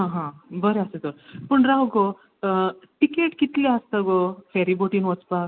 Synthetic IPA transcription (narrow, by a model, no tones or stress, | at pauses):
ɦãɦãbəɾeaset̪oɾpəɳɾaɦuɡo | ʈikeʈkit̪leəst̪əɡofɛɾiboʈiːnʋɔt͡spak